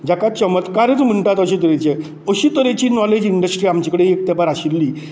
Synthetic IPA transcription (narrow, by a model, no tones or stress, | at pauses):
d͡ʑakat͡ɕəmət̪kaɾət͡sm̤əɳʈat̪əɕit̪əɾet͡ɕe | əɕiːt̪əɾet͡ɕiːnɔled͡ʑiɳɖəsʈɾiːamt͡ɕekəɽeek̚t̪ɛbaɾaɕilːiː